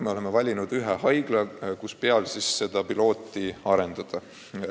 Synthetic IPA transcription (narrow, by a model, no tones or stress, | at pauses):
me̞o̞le̞mevɑlʲinud̪̥yɦehɑjɡ̥lɑkuspeɑlsisːe̞d̪̥ɑpilo̞ːt̪ːˑiɑɾe̞nd̪̥ɑd̪̥ɑ